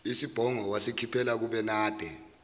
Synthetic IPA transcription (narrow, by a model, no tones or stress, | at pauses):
isib̥ʱɔŋɔwasikʰipʰɛlak̬uɓɛnaːd̥ʱɛ